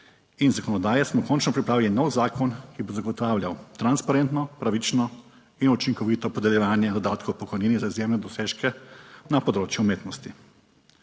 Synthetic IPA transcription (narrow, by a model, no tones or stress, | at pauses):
inzakɔnɔd̪aːjɛsmɔkɔnt͡ʃnɔpɾipɾaːʋilinɔwzaːkʰɔnkibozaɡɔt̪aːwlʲjawt̪ɾanspaɾeːnt̪nɔpɾaʋit͡ʃnɔ | inut͡ʃiŋkɔʋiːt̪ɔpɔd̪ɛljɛʋaːnjɛd̪ɔd̪aːt̪kowpɔkɔjniːnizaizjeːmnɛd̪ɔseːʃkɛnapɔd̪ɾoːt͡ʃjuumeːt̪nɔst̪i